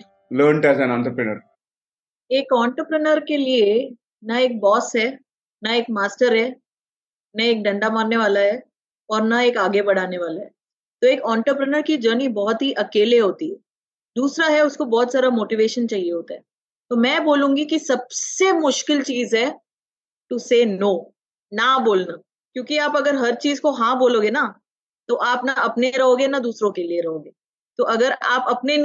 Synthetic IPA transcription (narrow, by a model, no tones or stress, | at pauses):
ləːɾɳʈɛzɛ̃nãɳt̪ɾəpɾənə̰ɾ | eːkɔ̃ːɳʈɾəpɾənəɾkelie | naeːk̚bɔːsɦɛː | naeːk̚maːsʈəɾɦɛː | nɐeːk̚ɖɐ̃ɳɖamaːɾneʋaːlaɦɛ | ɔːɾnaeːkaːɡebɐɽ̤aːneʋaːlaɦɛː | t̪oeːkɔːɳʈɾəpɾənəɾkid͡ʒəːnibɔɦʊt̪ɦiʔɐkeːleɦoːt̪iɦɛ | d̪uːsɾaɦɛʊskobɔːt̪saːɾamoːʈiʋeːʃənt͡ʃaːɦieɦoːt̪aɦɛː | t̪omɛ̃ːboːlũːŋɡikisɐbsemʊʃkɪlt͡ʃiːzɦɛ | ʈuseːnoː | naboːlnaː | kjõːkiaːpɐɡəɾɦɐɾt͡ʃiːzkoɦãboːloːɡena | t̪oʔaːpnaɐpneɾɐɦoːɡenad̪uːsɾõkelieɾɐɦoːɡeː | t̪oʔɐɡəɾaːpɐpne